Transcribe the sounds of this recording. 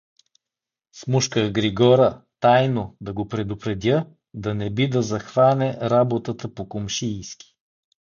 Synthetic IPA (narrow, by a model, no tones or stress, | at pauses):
smuʃkəɡɾiɡɔɾət̪ajnod̪ɐɡopɾɛd̪ʊpɾɛd̪ʲjə | d̪ɐnɛbid̪ɐzɐxvanɛɾabot̪ət̪əpokomʃiːskʲi̥